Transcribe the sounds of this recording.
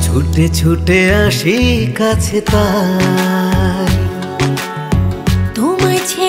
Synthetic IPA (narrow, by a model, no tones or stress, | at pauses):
t͡ɕʰuʈet͡ɕʰuʈeãʃikat͡ɕʰet̪a | t̪umat͡ɕʰe